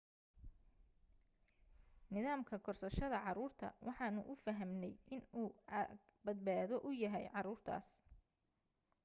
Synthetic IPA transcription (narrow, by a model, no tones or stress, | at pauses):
nɪðaːmkʰɐkʰɔrsɐʃɐðɐʕɑɾuːrt̪ʰɐ̰wɑħɑːnʊʔʊfɐɦɐmnɛjʔɪnuː | bɐd̪̚baːðɔʔʊjɐɦɛjʕɑɾuːrt̪ʰa̰ːs